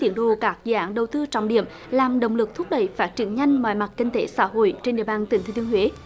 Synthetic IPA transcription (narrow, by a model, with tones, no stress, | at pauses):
t̪i˧˩ənɗo̰˧˨kaː˦˥k̚zḭ˧˨ɗaː˨˦nɗə˨˩wt̪ɨ˧t͡ɕɔ̰˧˨ŋ͡mɗḭ˧˨əm | laː˨˩mɗə̰˨˧˨wŋ͡mlɨ˨˩k̚t̪ʰʊ˦˥k͡p̚ɗə̰˧˩jfaː˦˥t̚t͡ɕḭ˧˩ənɲa˧jŋ̟ma̰˧˨jma˨˩t̚kï˧ŋ̟t̪e˨˦sa̰ː˧˥ɦo̰˧˨jt͡ɕe˧nɗḭ˧˨əɓaː˧˩nt̪ï˨˩ŋ̟t̪ʰːənhwe˨˦